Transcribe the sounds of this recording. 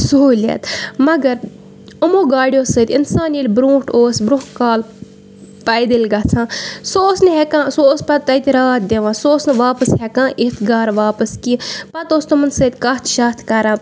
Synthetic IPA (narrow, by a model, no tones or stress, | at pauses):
soːlʲḛt̪mɐɡɐɾ | umoːɡaːɽʲijoːsət̪ʲinsaːnilʲbɾũːʈoːsbɾʊɦkaːl | pɐjd̪ilʲɡaːt͡sʰãːsoːsnɨɦɛkãːsoːspɐt̪t̪ɐjt̪iɾaːt̪̚d̪ʲeʋãːsoːsnɨʋaːpəsɦɛkãːʔit̪ɡaːɾʋaːpəskipɐt̪oːst̪ɐmɐnsət̪ʲkaːt̪ʃaːt̪ʰkɐɾãː